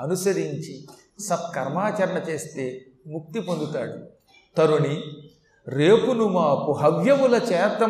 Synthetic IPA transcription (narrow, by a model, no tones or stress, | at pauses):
ɐnusɐɾiɲt͡ʃi | sɐb̚kɐɾmaːt͡ʃɐɾɐɳɐt͡ʃe̞ːst̪e̞ː | muk̚t̪ipond̪ut̪aːɽu | t̪ɐɾuni | ɾeːpunumaːpuɦɐʋjɐʋulɐt͡ʃeːɾt̪ɾɐ